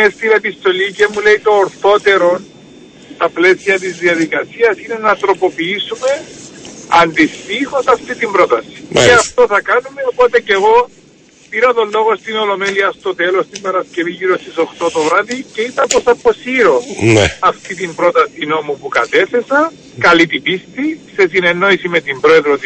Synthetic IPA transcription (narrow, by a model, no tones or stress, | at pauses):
est̪inepist̪o̞licemule̞it̪o̞ːɾθo̞t̪e̞ɾo̞n | st̪ɐple̞siɐt̪̬izðiɐðikɐsiɐsine̞nɐt̪ɾo̞po̞piisume̞ | ɐnd̪ist̪ixo̞sɐft̪it̪imbɾo̞t̪ɐsi̥eɐft̪o̞θɐkɐnume̞opo̞t̪e̞ce̞ɣo̞ | piɾɐt̪olːo̞ɣo̞st̪ino̞lo̞meliɐst̪o̞t̪e̞lo̞st̪imbɐɾɐsce̞viʝiɾo̞st̪iso̞xt̪o̞t̪o̞vɾaðice̞it̪ɐposɐpo̞siɾo̞neɐft̪it̪imbɾo̞t̪ɐsino̞mupukɐt̪e̞θe̞sɐ | kɐlit̪ipist̪ise̞sine̞nːo̞isimet̪imbɾoe̞ðɾot̪